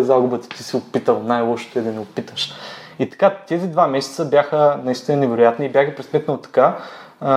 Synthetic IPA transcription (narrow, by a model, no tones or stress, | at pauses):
zaɡʊbət̪t̪i̥siʊpit̪əlˠnajlˠɔʃo̥t̪oɛd̪ɐnɛʊpit̪əʃit̪ɐ̥kat̪ɛzid̪vamɛsɛ̥t̪səbjaxənɐist̪inənɛvɛɾʊjat̪niːbjaxɡipɾɛsmɛt̪nət̪ɐ̥ka